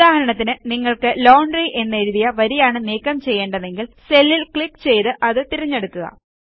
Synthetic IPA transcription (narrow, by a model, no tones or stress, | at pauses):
aːhɐɾɐɳɐt̪ːinɨniŋːɐɭkɨloːɳɖriʔe̞nːeɾuðijɐʋɐɾijaːɳɨneːkːɐmt͡ɕe̞jːe̞ːɳɖɐðe̞ŋɡilse̞lːilkɭikːt͡ɕe̞jt̪ɨʔɐðɨt̪iɾɐɲːeɽukːuɣɐ̰